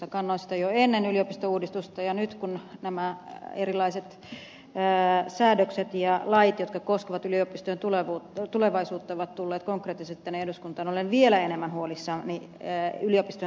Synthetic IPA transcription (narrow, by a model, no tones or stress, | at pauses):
ɑkɑnːoisi̥t̪æjoenːenyliopist̪ouːdist̪ust̪ɑjɑnyt̪kunnæmæerilɑiset̪ː | sæːdøkset̪jɑlɑit̪jot̪kɑkoskeʋɑt̪yliopist̪ojent̪uleʋuːt̪uleʋɑisuːt̪ːɑoʋɑt̪t̪ulːeːt̪koŋkreːt̪ːiset̪t̪ːænehduskunt̪ɑːnolenʋielæenemːænhuolisːɑːnni | yliopist̪o